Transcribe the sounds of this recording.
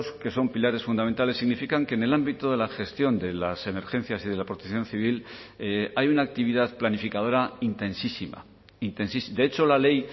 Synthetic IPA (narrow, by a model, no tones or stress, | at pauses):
ske̞so̞mpilaɾe̞sfund̪ament̪ale̞sːiɣnifikaŋkeːne̞lambit̪oðe̞laxe̞st̪jo̞nd̪e̞lase̞me̞ɾxẽ̞n̟θjasiðe̞lapɾo̞t̪ekθjo̞n̟θiβ̞il | ajunaːk̚t̪iβiðaðplanifikað̞o̞ɾaint̪e̞nsisima̰ | int̪e̞nsisd̪e̞et͡ʃo̞lale̞j